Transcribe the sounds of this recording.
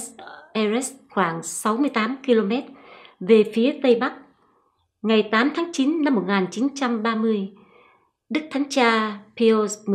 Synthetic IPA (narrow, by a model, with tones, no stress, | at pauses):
ʔɛ˧zɛ˦˥sxwaː˧˩ŋsa˨˦wmɨ˧əjt̪aː˨˦mki˧lo˧mɛ˦˥t̚ve˨˩fi˨˦ət̪ə˧jɓa˦˥k̚ | ŋa˨˩jt̪aː˨˦mt̪ʰaː˨˦ŋt͡ɕi˨˦nːa˧mːo˨˩t̚ŋaː˨˩nt͡ɕi˨˦nt͡ɕa˧mɓaː˧mɨ˧əj | ɗɨ˦˥k̚t̪ʰa˨˦ŋ̟t͡ɕaː˧pi˧o˧m˨